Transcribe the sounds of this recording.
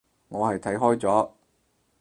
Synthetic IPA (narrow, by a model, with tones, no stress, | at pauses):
ŋɔː˨˧hɐ˨jt̪ʰɐ˨˥jɦɔː˥jt͡sɔː˨˥